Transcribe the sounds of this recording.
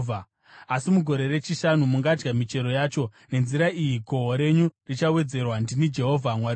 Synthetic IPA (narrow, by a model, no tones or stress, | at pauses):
a | asimuɡʱo̞ɾe̞re̞t͡ʃiʃanumuŋɡad͡ʒɡamit͡ʃe̞ɾo̞jaːt͡ʃo̞ | ne̞nziɾaijiɡʱo̞ɦoɾe̞ɲurit͡ʃawe̞d͡ze̞rwandinid͡ʒe̞ɦovʱamwaɾi